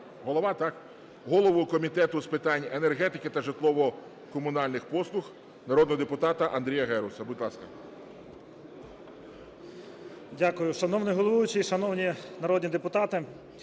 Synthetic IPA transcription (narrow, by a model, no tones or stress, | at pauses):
ɦɔlˠɔʋɑt̪ɑk | ɦɔlˠɔʋʊkɔmʲit̪ɛt̪ʊspɪt̪ɑnʲenerɦɛt̪ɪkɪt̪ɐʒɪt̪lˠɔʋɔ | kɔmʊnɑlʲnɪxpɔslˠʊx | nɐɾɔd̪ɔɔd̪epʊt̪ɑt̪ɐʔɐnd̪ɾʲijɐɦɛɾʊsɐbʊdʲlˠɑskɐ | dʲakʊjʊʃɐnɔwnɪɦɔlˠɔʋujʊt͡ʃijʃɐnɔwnʲinɐɾɔd̪ʲnʲid̪epʊt̪ɑt̪ɪ